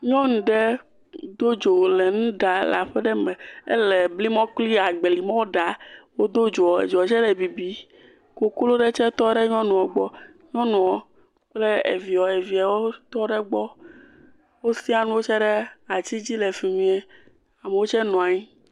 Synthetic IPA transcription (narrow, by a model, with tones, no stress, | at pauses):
ɲɔ̃˦ŋũ˨ɖe˦ | d̪o˦d͡ʒo˨le˨nũ˦ɖa˨la̰˨ɸɛ˦ɖɛ˦me˨ḛ˦lɛ˨bli˦mɔ̃˦k͡pli˦a˨ɡ͡be˨li˨mɔ̃˦wo˦ɖa˨wo˦d̪o˦d͡ʒo˨ɔ˨ḛ˨d͡ʒo˨ɔ˨t͡ʃɛ˦ɖɛ˨bi˨bi˨ | ko˨klo˦ɖe˦t͡ʃɛ˦t̪ɔ˦ɖɛ˦ɲɔ̃˦nũ˨ɔ˨ɡ͡bɔ˦ | ɲɔ̃˦nũ˨ɔ˨ | k͡ple˦ḛ˨vi˨ɔ˨e˨vi˨a˨wo˦t̪ɔ˦ɖɛ˦ɡ͡bɔ˦ | wo˦si˦a˦˨nũ˦wo˦t͡ʃɛ˦ɖɛ˦a˨t͡ɕi˦d͡ʑi˦lɛ˨fi˨mĩ˦ɛ˦ | a˨me˨wo˦t͡ʃɛ˦nɔ̃˨a˨ɲi˦